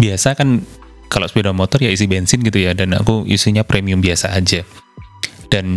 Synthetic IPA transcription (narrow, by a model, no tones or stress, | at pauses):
biasakan | kalo̰spedanmɔt̪ɔrjais̬ibɛnsɪnɡit̪ujadana̰kuʔḭsiɲapɾʔemiʊmbiasaːd͡ʒa | d̥an